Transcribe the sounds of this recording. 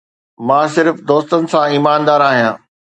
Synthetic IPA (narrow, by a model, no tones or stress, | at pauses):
mãːsɪɾfd̪oːst̪ənɪ̆sãiːmaːnd̪aːɾaːɦijã̰ː